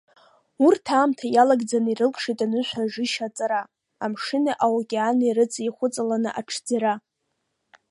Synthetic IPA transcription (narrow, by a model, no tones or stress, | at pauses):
urtʰaːmtʰajalaɡd͡zanirɨlkʰʼʂitʼanɨʃᶣʷaʒɪʃat͡sʼaɾa | amʂɨnaʔawakʲʼanirɨt͡sʼiχʷʊt͡sʼalanɨʔaʈ͡ʂʰd͡zaɾa